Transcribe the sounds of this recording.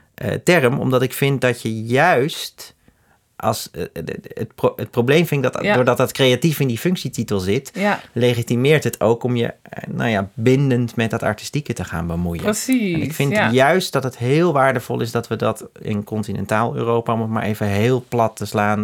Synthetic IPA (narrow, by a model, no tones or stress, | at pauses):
ʔə̰tɛrəmɔ̰mdɑtɪkfɪnt̚dɑtjəjœɥst | ʔɑ̰lˠs | tpoət̚problejmfɪnɪɡ̚dtdoːɹdɑtdɑtkrejatifɪndifɵŋksititəlˠzɪtlejχitimɪːɹtɦətʰowkɔmjə̰na̰wjabɪndəntmɛt̚dɑtɑ̰ɹti̥stikətəχa̰ːnbəmujə̰nɪkfɪntjœɥst̚d̥ɑtətɦɪːlˠʋaːɹdəv̥ɔ̰lˠɪsdɑtʋədɑtɪ̰nkɔntinɛ̰ntaːlˠø̰ːrowpaɔmətma̰ːɹʔejvəɦeːlˠplɑtːəslaːn